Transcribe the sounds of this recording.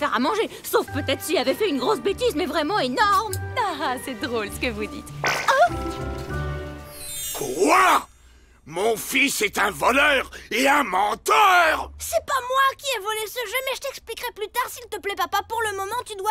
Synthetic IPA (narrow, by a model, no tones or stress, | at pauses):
fɛʁamɑ̃ʒe | sofpøt̪ɛt̪χsilavɛfɛynɡʁos̬bet̪izmɛvʁɛmɑ̃enɔʁmasɛd̪ʁolsə̥kəvud̪ḭt̪a | kʰwa | mɔ̃fisɛt̪ɛ̃vɔlœːʁeɛ̃mɑ̃t̪œʁsɛpamwakʲiɛvɔlesəʒømɛʒət̪ɛksplikʁɛplyt̪aʁsilt̪əplɛpapapuʁləmɔmɑ̃t̪yd̪wa